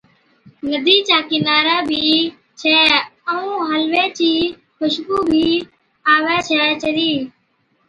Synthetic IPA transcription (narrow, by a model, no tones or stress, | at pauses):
nəd̪iːt͡ʃaːkɪnaːɾaːbʱiː | t͡ʃʰɛːəũːɦəlʋeːt͡ʃiː | xʊʃkuːbʱiː | aːʋɛːt͡ʃʰɛːt͡ʃəɾiː